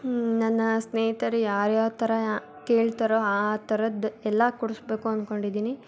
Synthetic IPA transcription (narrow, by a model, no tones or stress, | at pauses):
nɐnːɐsneːɦt̪ɐɾejaːɾjaːt̪ɐɾɐ | keːɭt̪aɾoːaːt̪ɐɾɐd̪ɛlːɐkuɽusbe̞ːkuɐnd̪ko̞ɳɖid̪iːni